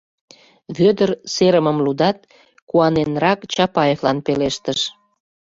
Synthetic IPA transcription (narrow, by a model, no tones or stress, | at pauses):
βød̪ərseɾəməmlud̪ɑt̪̚ | kuɑnenrɑkt͡ɕɑpɑjeflɑnpeleʃt̪əʃ